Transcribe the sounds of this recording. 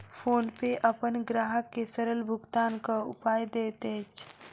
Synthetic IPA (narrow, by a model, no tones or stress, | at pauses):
pʰoːnpeʔəpənɡɾaːɦəkːesəɾəlbʱʊɡt̪aːnkaʊ̰paːjd̪eːt̪et͡ʃʰ